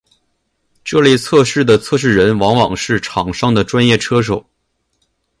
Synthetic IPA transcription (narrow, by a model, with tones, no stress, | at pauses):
ʈ͡ʂɤ˥˧le˥˧ɪt͡sʰɤ˥˧ʂɻ̩˥˩d̪ə˩t͡sʰɤ˥˧ʂ̬ɻ̩˥˩ɻə˧˥nwɑ˧˥ŋwɑ˨˩ŋʂɻ̩˥˩ʈ͡ʂʰɑ˨˩ŋʂɑ˥ŋd̪ə˨ʈ͡ʂwa˥njɛ˥˩ʈ͡ʂʰɤ˥ʂ̬o˨˩˦ʊ